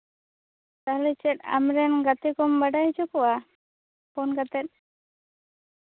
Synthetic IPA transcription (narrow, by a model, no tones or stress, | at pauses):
t̪aɦlɛt͡ʃɛt̪̚a̰mɾɛnɡat̪ɛkɔmbaɖajd͡ʒɔkɔwa | pʰɔnɡat̪ɛt̪̚ˀ